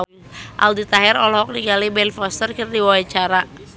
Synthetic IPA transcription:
ʔa̰ldit̪aɦɛrɔlɔɦɔk̚niɡalibɛnfɔst̪ərkərdiwawat͡ʃaɾa

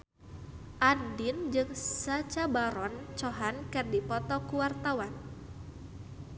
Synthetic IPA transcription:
ʔandind͡ʒɨŋsat͡ʃabaɾɔnt͡ʃɔɦankɨrdipɔt̪ɔkuwart̪awan

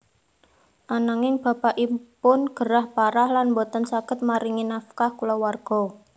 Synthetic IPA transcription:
ʔanaŋɪŋb̥a̤paʔipʊnɡ̥əɾahpaɾahlanbɔt̪ɔnsaɡ̥ət̪̚maɾiŋinafkahkulɔwarɡ̥ɔ̤

